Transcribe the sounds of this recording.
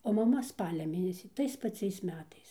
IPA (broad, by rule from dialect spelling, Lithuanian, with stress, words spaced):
oː mɐˈmɐ ˈspɑːlʲɛ ˈmʲeːnʲɛsʲiː ˈtɐɪs pɐˈt͡sʲɛɪs ˈmʲæːtɐɪs